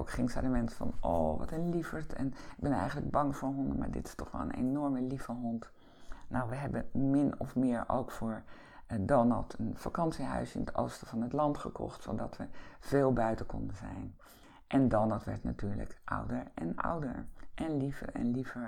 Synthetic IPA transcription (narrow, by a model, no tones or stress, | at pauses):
owkχɪŋsɛdəmɛnsfɑ̰noːʋɑtənlifəɹtʰɛ̰nɪɡ̚bɛnɛjχənləɡ̚bɑŋvʊːɹɦɔndəma̰ːɹdɪ̰tɪ̥stɔχʋɛ̰lˠə̰nḛnɔɹməlivəɦɔnt | nowʋəɦɛbəmɪnɔ̰fmɪːɹo̰wkfʊːɹ | donəlˠtʰənfakɑntsiɦœ̰ɥsɪnətʰo̰wstəvɑnɦətlɑntχəkɔ̰χtsodɑtʋəv̥eːlˠbœɥtəkɔ̰ndəzɛ̰jn | ʔɛndɑnətʋɛ̰ɹtna̰tyːɹlə̰kʔɑ̰wdəɹʔɛna̰wdə̰ɹʔɛnlivə̰ɹɛ̰nlivəɹ